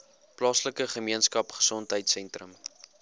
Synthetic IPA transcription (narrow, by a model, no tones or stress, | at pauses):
plɑːsləkəχəmiənskɐpχə̥sɔntɦəjtsɛntrəm